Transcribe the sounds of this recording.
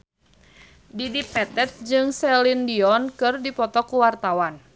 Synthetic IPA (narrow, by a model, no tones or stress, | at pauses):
didipɛt̪ɛt̪̚d͡ʒɨŋsɛlindiɔnkɨrdipɔt̪ɔkuwart̪awan